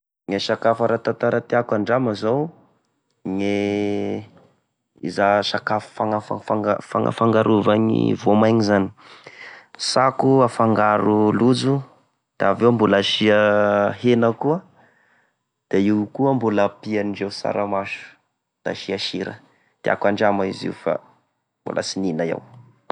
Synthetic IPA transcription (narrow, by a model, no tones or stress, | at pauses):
ŋeʃakafaɾat̪ant̪aɾat̪iakaɳɖ͡ʐamazow | ŋe | ḭzaʃakaffaŋafa̰faɡafa̰ŋa̰faŋɡaɾuvaɲḭvomajŋizani̥ | sakuafaŋɡaɾulud͡zu | d̪̥aavewmbulaʃiahenəkuə | d̪̥eiwkuəmbulapianiɖ͡ʐewsa̰ɾamaʃu̥ | d̪̥a̰ʃiaʃiɾə̰ | t̪ia̰kwaɳɖ͡ʐamaḭzḭufa̰ | mbṵlʔa̰sininaḛw